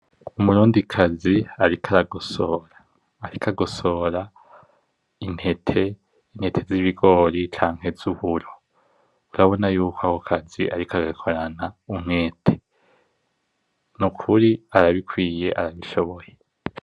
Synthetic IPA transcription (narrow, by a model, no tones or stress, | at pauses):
umuɾuːndikʰaziaɾikʰaɾaɡosoːɾaː | ɾikʰaɡo̞so̞ːɾa | inhetʰe̞ | inhe̞tʰe̞ziβiɡo̞ːɾit͡ʃaːŋ̥he̞zuβuɾo̞ | uɾaβo̞najuːkʰoahokʰazḭʔaɾikʰaɡakʰo̞ɾanaumŋeːtʰe̥ | nukʰuɾiaɾaβikwiːje̞ʔaɾaβiʃo̞βo̞je